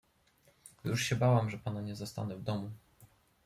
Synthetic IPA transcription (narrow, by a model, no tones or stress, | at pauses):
juʂɕɛbawamʐɛpanaɲɛzast̪a̰nɛvd̪ɔmu